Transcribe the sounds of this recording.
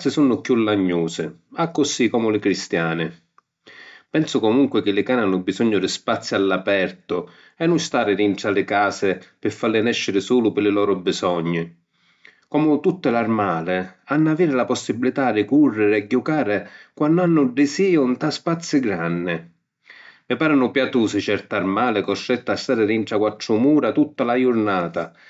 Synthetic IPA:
sɪsunːʊkjulːaɲːuːsɪ̰akːʊsikɔːmʊlɪkɾist̪jaːnɪ | pɛnsʊkɔmuŋkwɪk̟ɪlːɪkaːnɪanːʊbisɔɲːʊd̪ɪspat̪sːjialːapɛrt̪ʊ | ɛnːʊnst̪aːɾɪɾinʈalɪkaːsɪpɪfːalːɪnɛʃːɪɾɪsuːlʊpɪlɪlɔːɾʊbɪsɔɲːɪ | kɔːmʊt̪ut̪ːɪlarmaːlɪanːaviːɾɪlapɔsːibːilit̪ad̪ɪkurːɪɾɪɛɟːukaːɾɪkwanːanːʊɖːɪsiːʊnt̪aspat̪sːɪɡɾanːɪ | mɪpaːɾʊnʊpjat̪uːsɪt͡ʃɛɾt̪armaːlɪkɔst̪ɾɛt̪ːast̪aːɾɪɾiɳʈ̪ɾakwat̪ːɾʊmuːɾat̪ut̪ːalajʊɾnaːt̪a

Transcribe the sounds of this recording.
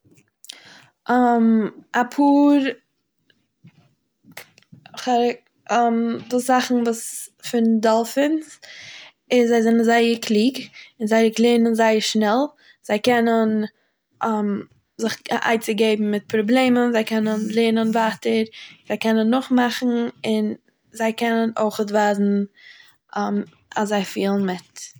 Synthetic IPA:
amapʰuːɾ | χaɾk | mdɪzaχn̩vuːsfɪndɔlˠfɪns | ɪszaɪzɪnənzaɪəɾkʰlˠiːɡɪnzaɪəklˠeːnənzaɪəɾʃnɛlˠ | z̥aɪkɛnən | am | zɪχa̰ɪt͡sɪɡeɪbm̩mɪt̚pʰɾɔblˠeɪmənzaɪkɛnənlˠeːnənvaːtəɾz̥aɪkɛnənːʊχmaχn̩ɪn | zaɪkɛnənoɪχətvaːzn̩ | am | aszaɪfiːlˠn̩mɪt

